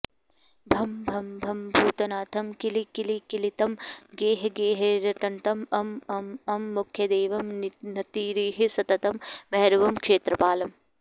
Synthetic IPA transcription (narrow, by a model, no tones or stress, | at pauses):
bʱɐmbʱɐmbʱɐmbʱuːt̪ɐnaːt̪ʰɐmkilikilikilit̪ɐmɡeːɦɐɡeːɦɐɾɐʈɐnt̪ɐmɐmɐmɐmːukʰjɐd̪eːʋɐmnnɐt̪iːɾiːɦisɐt̪ɐt̪ɐmbɐɦɐɾɐʋɐmkʃeːt̪ɾɐpaːlɐm